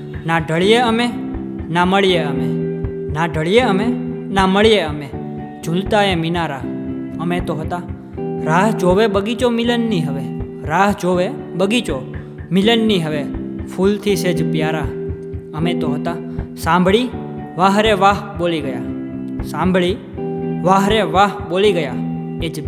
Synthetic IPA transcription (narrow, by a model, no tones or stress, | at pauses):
naɖʱəɭijeəme | naməɭijeəme | naɖʱəɭijeəmenaməɭijeəme | d͡ʒult̪aeminaɾaəmet̪oɦət̪a | ɾaɦd͡ʒoʋebəɡit͡ʃomɪlənːiɦəʋe | ɾaɦd͡ʒoʋebəɡit͡ʃo | mɪlənːiɦəʋefʰult̪ʰised͡ʒpjaɾa | əmet̪oɦət̪asãmbʱɭiʋaɦɾeʋaɦboliɡəja̰sãmbʱɭi | ʋaɦɾeʋaɦboliɡəjaed͡ʒ